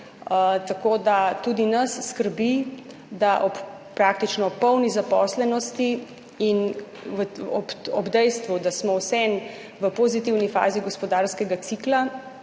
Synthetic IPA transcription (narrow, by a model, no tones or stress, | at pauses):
t̪akoːd̪at̪ud̪inɐsːkəɾbi | d̪aʔɔp | pɾaːk̚t̪it͡ʃnɔpɔwnizapɔːslɛnɔst̪i | in | əɔɔbd̪ɛjst̪ʋud̪asmɔwsɛn | ʋəpozit̪iwnifa̰ːziɡɔspɔd̪aːɾskɛɡat̪sikla